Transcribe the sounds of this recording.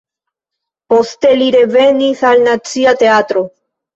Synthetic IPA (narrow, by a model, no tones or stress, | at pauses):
po̞ste̞liɾe̞ve̞nisalnat͡siate̞at̪ɾo̞